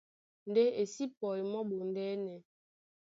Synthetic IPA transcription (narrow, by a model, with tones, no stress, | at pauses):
n̩˨de˦e˨si˦pɔ˨i˨mɔ˦ɓo˨n˨dɛ˦nɛ˨